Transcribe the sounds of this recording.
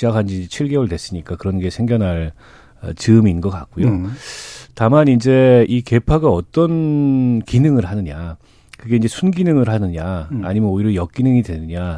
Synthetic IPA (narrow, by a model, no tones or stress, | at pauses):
akʰand͡ʑiid͡ʑet͡ɕʰiɭɡe̞woɭtwe̞s͈ɯɲik͈akɯɾʌnɡe̞sʰe̞ŋɡjʌnɦaɭ | ʌ̰t͡ɕɯminɡʌka̰k͈̚ujo | tamanind͡ʑe̞ike̞pʰaɡaʌt͈ʌnkinɯŋɯɭhanɯɲa | kɯɡe̞ind͡ʑe̞sʰunɡinɯŋɯɭhanɯɲa̰ːɲimjʌnoiɾojʌk͈inɯŋidwe̞nɯɲa